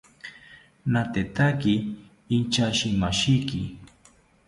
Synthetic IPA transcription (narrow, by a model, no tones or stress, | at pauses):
nat̪et̪akiː | nt͡ʃaʃimaʃikɪ̰